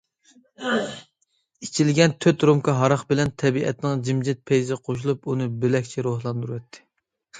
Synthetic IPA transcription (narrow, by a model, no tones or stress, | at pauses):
it͡ʃʰilɡʲɛnt̪ʰøt̪ɾomkɑɦɑɾɑχbɪlɛnt̪ʰɛbiʔɛ̰t̪nɨŋd͡ʒimd͡ʒɪt̪̚pʰejzɪqʰoʃ̬ulˠupunɨbɪlɛkʲt͡ʃʰɛɾohlˠɑnd̪uɾuwɛt̪ʰːɪ̥